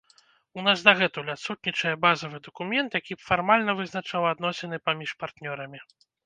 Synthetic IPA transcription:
unasd̪aɣɛt̪ulʲat̪sut̪̚ʲnʲit͡ʂɐjɐbazɐvɨd̪ɐkumʲɛnt̪jakʲibfarmalʲnɐvɨznat͡ʂawad̪nɔsʲɛn̪ɨpamʲiʂpart̪nʲɔɾɐmʲi

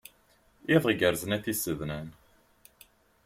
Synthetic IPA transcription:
iðˤʁɡəɾznæθisəðnæn

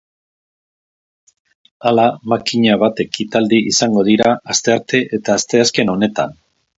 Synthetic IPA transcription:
alamakiɲaβ̞at̪e̞kit̪ald̪iisaŋɡo̞ð̞iɾaast̪eaɾt̪e̞ʔet̪aːst̪e̞aske̞no̞ne̞t̪a̰n

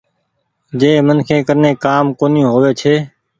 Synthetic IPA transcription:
d͡ʒeːmənkʰẽːkəɾneːkaːmkoːnjũːɦoːʋeːt͡ʃʰeː

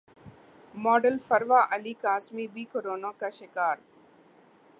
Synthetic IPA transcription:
mɔːɖəlfɐɾʋaːʔɐliːkaːsmibiːkoɾoːnãːkaʃɪkaːɾ

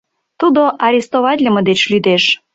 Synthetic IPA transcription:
t̪ud̪oʔɑɾʲest̪oβɑtʲlʲəmə̆d̪et͡ɕlyd̪eʃ

